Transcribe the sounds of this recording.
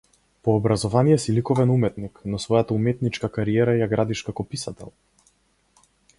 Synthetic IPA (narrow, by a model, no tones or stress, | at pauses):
pɔːbɾazɔvanijɛsilikɔvɛnumɛt̪niknɔsvɔjat̪aumɛt̪nit͡ʃkakaɾiɛɾajaɡɾad̪iʃkakɔpisat̪ɛ̰lˠ